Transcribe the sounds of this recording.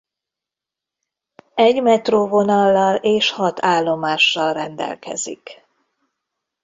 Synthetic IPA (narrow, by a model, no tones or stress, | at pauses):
ɛɟmɛt̪roːvo̞nɒlːɒleːʃhɒt̪ʰaːlːo̞maːʃːɒlrɛnd̪ɛ̰lkɛ̰zḭk